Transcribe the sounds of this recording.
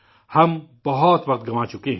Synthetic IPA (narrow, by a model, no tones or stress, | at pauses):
hɐmb̥ɐɦɔt̪ʋɐq̚t̪̚ɡɐmaːt͡ʃʊkeɦ